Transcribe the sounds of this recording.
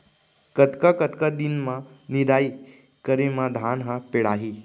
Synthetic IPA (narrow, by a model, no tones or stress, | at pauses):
kət̪kakət̪kəd̪inmanid̪ʱai | kəɾimad̪ʱanɦãpeɽaɦi